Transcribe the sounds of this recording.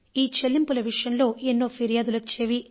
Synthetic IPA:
iːt͡ʃelːimpulɐʋiʂɐjɐmlo̞ːʔenːo̞ːpʰiɾijaːd̪ulot͡ʃːe̞ːʋi

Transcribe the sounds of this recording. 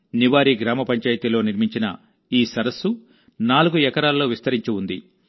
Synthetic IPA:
niʋaːɾiːɡɾaːmɐpɐɲt͡ʃaːjɐt̪ilo̞ːniɾmiɲt͡ʃinɐ̰ | iːsɐɾɐsu | naːluɡuɛkɐɾaːlɐlo̞ːʋist̪ɐɾiɲt͡ʃuund̪ḭ

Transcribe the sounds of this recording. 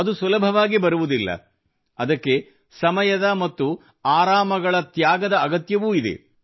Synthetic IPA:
ɐd̪usulɐbʱɐʋaːɡibɐɾuʋud̪ilːɐ̰ | ɐd̪ɐkːe̞ | sɐmɐjɐd̪ɐmɐt̪ːu | aːɾaːmɐɡɐɭɐt̪jaːɡɐd̪ɐːɡɐt̪jɐʋuːid̪ḛ

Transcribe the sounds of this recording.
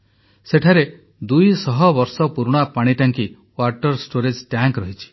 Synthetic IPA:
seʈʰaɾe | d̪ujsɔɦɔbɔɾsɔpuɾɽ̃apaɽ̃iʈaŋki | waʈɔɾsʈoɾed͡ʒʈaŋkɾɔɦit͡ʃʰi̥

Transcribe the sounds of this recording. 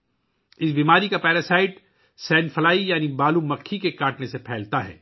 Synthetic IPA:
ɪsbiːmaːɾikapɛːɾasaːɪʈ | sɛːnfʰɐlaːijaːnibaːlumɐkʰːikekaːʈnesepʰɛːlt̪aɦɛ̰ː

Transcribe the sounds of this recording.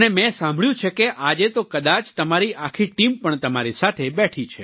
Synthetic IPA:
nemɛ̃sãmbʱɭjũt͡ʃʰekeʔad͡ʒet̪okəd̪at͡ʃt̪əmaɾiʔakʰiʈimpəɳt̪əmaɾisat̪ʰebɛʈʰit͡ʃʰe

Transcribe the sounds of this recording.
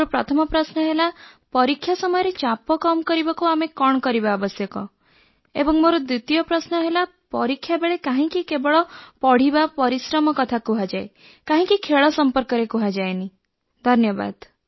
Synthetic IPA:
oɾɔpɾɔt̪ʰɔmɔpɾasnɔɦelapɔɾikʰːjasɔmɔjɔɾet͡ʃapɔkɔmɔkɔɾibakuamekɔɳ̃ɔkɔɾibaɔbɔsjɔkɔ | ḛbɔŋmoɾɔd̪ɾut̪ijɔpɾɔsnɔɦela | pɔɾikʰːjabeɭekaɦĩkikebɔɭɔpɔɽ̤ibapɔɾisɾɔmɔkɔt̪ʰakuɦad͡ʒaj | kãɦĩkikʰeɭɔsɔmpɔɾkɔɾekuɦad͡ʒajni | d̪ʱɔnjɔba̰d̪

